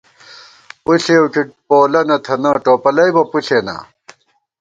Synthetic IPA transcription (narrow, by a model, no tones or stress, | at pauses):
puɬewkipoːlɐnɐt̪ʰɐnɐːʈoːpɐlɐjbɐpuɬeːna̰